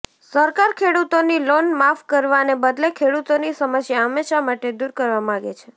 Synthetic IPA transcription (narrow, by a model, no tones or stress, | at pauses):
səɾkaɾkʰeɽut̪onilonmafkəɾʋanebəd̪lekʰeɽut̪onisəməsjaəmeʃamaʈed̪uɾkəɾʋamãɡḛt͡ʃʰe